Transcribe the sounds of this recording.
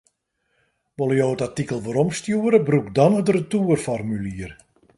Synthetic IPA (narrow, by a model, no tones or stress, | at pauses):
ʋolˠəjoːətatikəlˠʋəɾɔmstjuəɾəbrukdɔnədrətuərfɔrmyliər